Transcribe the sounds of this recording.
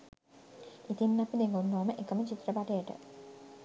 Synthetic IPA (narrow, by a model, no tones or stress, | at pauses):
it̪inːapid̪eŋɡonːuʋaməʔekəmət͡ʃit̪ːrəbaʈejəʈə̰